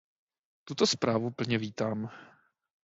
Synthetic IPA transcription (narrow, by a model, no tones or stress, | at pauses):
t̪ut̪ospɾaːvupl̩ɲɛviːt̪aːm